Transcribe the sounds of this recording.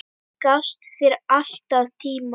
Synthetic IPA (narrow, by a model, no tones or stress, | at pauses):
kast̪θɪɾal̥t̪aðt̪ʰiːm